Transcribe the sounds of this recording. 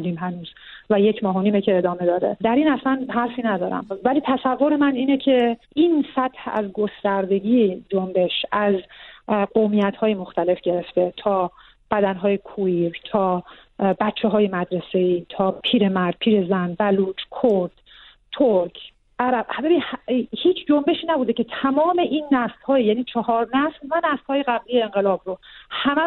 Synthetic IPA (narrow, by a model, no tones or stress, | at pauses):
d̪iːmɦænuːz̥ | væjecʰmɒːɦoniːmecʰeːd̪ɒːme̞d̪ɒːɾḛd̪æɾiːnæslænɦæɾfiːnæd̪ɒːɾæ̰mvæliːt̪ʰæsævːo̞ɾemæniːnecʰe̞ʔinsæt̪hæ̰zɡo̞st̪æɾd̪e̞ɟiːed͡ʒombe̞ʃæz | ɢomiːjæt̪hɒːjemoxt̪æle̞fɟe̞ɾe̞ft̪e̞t̪ʰɒː | b̥æd̪ænɦɒːjekʰuiɾt̪ʰɒː | bætt͡ʃʰːeɦɒːjemæd̪ɾese̞iːt̪ʰɒːpʰiːɾemæɾd̪̥̚pʰiːɾe̞zænbæluːd͡ʒkʰoɾd̪̥ | t̪ʰoɾkʰ | ʔæɾæb̥bæbiːhhiːt͡ʃʰd͡ʒombe̞ʃiːnæbuːd̪ecʰe̞t̪ʰæmɒːme̞ʔiːnːæslhɒːjjæːniːt͡ʃʰɒhɒːɾnæslvænæst̪hɒːjeɣæblijeːŋɢelɒːbɾohæmæ